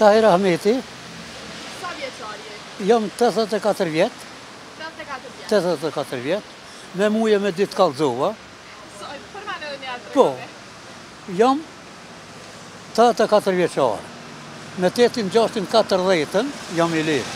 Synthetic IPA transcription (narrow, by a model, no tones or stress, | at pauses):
t̪ahɛɾahmɛt̪i | jɔmt̪ɛðɛt̪ɛkat̪əɾvjɛt̪ | t̪ːɛðɛt̪ɛkat̪əɾvjɛt̪ | mɛmujɛmɛd̪it̪kalˠzuva | pɔ | jɔm | t̪ɛt̪ɛkat̪əɾvjɛt͡ʃa̰ɾ | mɛt̪ɛt̪ind͡ʑaʃt̪inkat̪əɾðɛt̪ənjɔmiliɾ